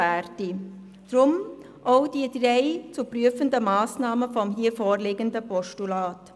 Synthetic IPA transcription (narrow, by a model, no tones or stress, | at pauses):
æːrti | d̥rʊm | ʔoʊd̥idreɪt͡supryəfəndəmɑːsnɑːməfɔmɦiːəfoːrlɪɡəndəpɔʃtulaːt